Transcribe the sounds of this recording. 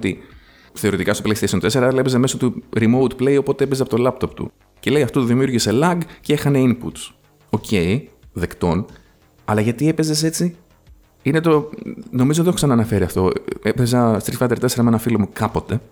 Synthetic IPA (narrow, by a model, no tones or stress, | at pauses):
t̪i | θe̞ɾit̪ikɐst̪opleiseisont̪e̞se̞ɾɐelepezɐme̞sot̪uɾimo̞wt̪ple̞io̞po̞t̪eepezɐpot̪o̞lɐp̚t̪o̞pt̪ṵ | ce̞le̞jɐft̪ot̪uðimjuɾʝise̞lɐɡceexɐne̞impṵt̪s | o̞cʰe̞iðe̞kt̪o̞n | ɐlɐʝɐt̪ie̞pe̞ze̞se̞t͡si | ine̞t̪ono̞mizot̪oksɐnɐːnɐfe̞ɾiɐft̪o̞epezɐst̪ɾisfɐd̪eɾt̪e̞seɾɐmenɐfilo̞mukɐpo̞t̪e̞